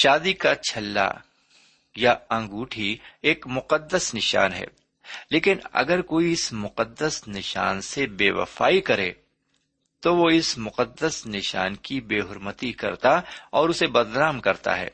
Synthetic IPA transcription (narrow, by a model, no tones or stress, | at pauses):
ʃaːd̪ikat͡ʃʰɐlːa̰ | jaɐ̃ŋɡuːʈʰieːkmʊqəd̪ːəsnɪʃa̰ːnɦɛ̰ː | leːkɪnɐ̰ɡəɾkoːiɪsmʊqəd̪ːəsnɪʃa̰ːnsebeːʋɐ̰faːikɐɾḛː | t̪oʋoɪsmʊqəd̪ːəsnɪʃa̰ːnkibeːɦʊɾmət̪ikɐ̰ɾt̪aɔːɾʊsebɐd̪ɾaːmkɐɾt̪a̰ɦɛ̰ː